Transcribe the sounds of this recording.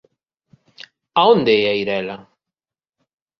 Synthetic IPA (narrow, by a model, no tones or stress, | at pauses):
aond̪eɛaiɾɛla